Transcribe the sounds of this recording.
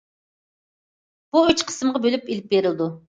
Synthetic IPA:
b̥uøt͡ʃqʰə̥sɨmʁɑbølypilɪp̚beɾɪlˠd̪u

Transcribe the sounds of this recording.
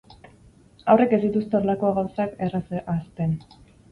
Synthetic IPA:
awre̞ke̞zd̪it̪ust̪eo̞ɾlakoaɣawsakerasʔast̪e̞n

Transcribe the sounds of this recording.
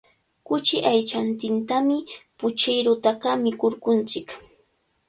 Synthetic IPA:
kʊt͡ʃɪʔajt͡ʃant̪ɪnt̪amɪpʊt͡ʃɪjɾʊt̪aɢamɪkʊɾkʊnt͡sɪk

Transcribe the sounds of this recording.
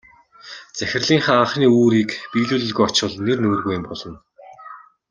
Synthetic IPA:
t͡sæxʲɪ̆rɮiːŋχaaχniːuːɾiːkpiːɮuːɮɵ̆ɮɣujɔt͡ɕə̆ɮnːernoːrɣujɪ̆mpɔɮɞ̆n

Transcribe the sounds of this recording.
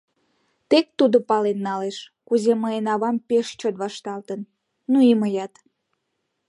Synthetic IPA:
t̪ek̚t̪ud̪opɑlenːɑleʃ | kuzeməjenɑβɑmpeʃt͡ɕot̪βɑʃt̪ɑlt̪ən | nuiməjɑt̪

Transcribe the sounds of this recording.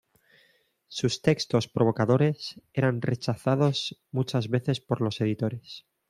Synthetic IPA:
sust̪e̞kst̪o̞spɾo̞β̞o̞kaðoɾe̞se̞ɾanre̞t͡ʃaθaðo̞zmut͡ʃazβe̞θe̞spo̞ɾlo̞se̞ðit̪o̞ɾe̞s

